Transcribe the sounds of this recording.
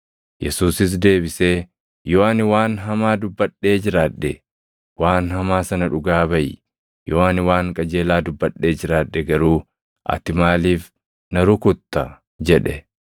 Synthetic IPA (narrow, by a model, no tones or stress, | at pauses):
jɛsuːsɪs̬d̪e̞ːbɪseː | joːanɪwaːnɦɐmaːd̪ʊbːɐɗːe̞ːd͡ʒɪɾaːᶑːɛ | waːnɦɐmaːsɐnɐᶑʊɡaːbɐʔɪ | jʔoːɐnɪwaːŋkʼɐd͡ʒe̞ːlaːd̪ʊbːɐᶑːe̞ːd͡ʒɪɾaːᶑːɛɡɐɾuː | ʔɐ̰t̪ɪmaːliːf | nɐɾʊkʊt̪ːɐ | d͡ʒɛᶑɛ